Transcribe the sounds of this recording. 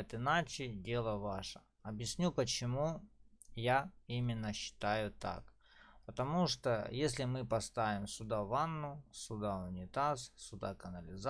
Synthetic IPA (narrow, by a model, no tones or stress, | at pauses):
t̪ɪnat͡ɕɪdʲe̞lˠəvaʂə | ɐbjɪsʲnʲupət͡ɕɪmu | jaimʲɪnːəɕːɪ̥t̪ajʊt̪a̰k | pət̪ɐmuʂt̪ojesʲlʲɪmɨpɐst̪avʲɪmsʲʊd̪avanːʊsʲʊd̪aʊnʲɪt̪assʊd̪a̰kənəlʲɪz